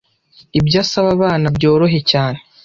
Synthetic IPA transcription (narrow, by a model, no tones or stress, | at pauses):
ibɟaːsaβaβaːnabɟo̞ːɾo̞ɦe̞caːne